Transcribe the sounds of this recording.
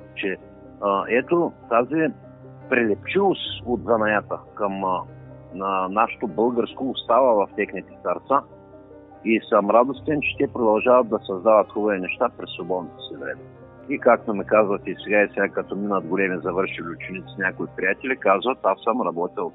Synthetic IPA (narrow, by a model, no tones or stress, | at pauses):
t͡ʃɛ | əɛt̪ot̪azi | pɾɛlɛp̚t͡ʃivˠost̪od̪zɐnɐjat̪əkəm | ənaʃɛ̥t̪obɤlˠɡəɾskoːst̪avəvɐft̪ʲɛxnɛt̪i̥st̪ɐɾt̪sa | isəmɾad̪ost̪ɛnt͡ʃɛ̥t̪ɛpɾod̪ɐlˠʒavəd̪̚d̪ɐsɐzd̪avət̪xɔbɐvinɛʃt̪apɾɛsˠobɔd̪not̪o̥sivɾɛ̰mɛ | ikak̚t̪omikazvɐt̪isɛɡaisɛɡakɐt̪ɔminəd̪ɡolɛmizɐvɤɾʃiliʊt͡ʃɛnit̪sinʲakoipɾijat̪ɛlʲikazvɐt̪asəmɾɐbɔt̪ʲilˠ